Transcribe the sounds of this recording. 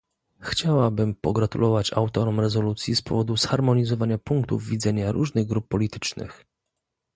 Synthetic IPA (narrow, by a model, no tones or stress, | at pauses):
xt͡ɕawabɘmpɔɡɾat̪ṵlʔɔvat͡ɕa̰wt̪ɔɾɔmɾɛzɔlut̪sʲjispɔ̰vɔd̪usxaɾmɔɲizɔvaɲapuŋk̚t̪ṵvvʲid̪zɛɲaɾuʐnɘɣɡɾupːɔlʲit̪ɘ̥t͡ʂnɘ̰x